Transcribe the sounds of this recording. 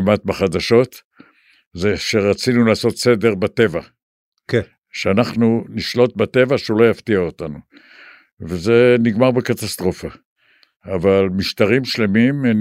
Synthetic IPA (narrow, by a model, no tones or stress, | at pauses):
mat̪̚baχad̪aʃo̞t̪ | zeʃeʁat͡sinulaːso̞t̪se̞de̞ʁbat̪e̞va | ʃeanaχnuniʃlo̞t̪̚bat̪e̞vaʃulo̞jaft̪iaotanu | veze̞niɡmaʁbekat̪ast̪ʁo̞fa | avalmiʃt̪aʁimʃle̞mimn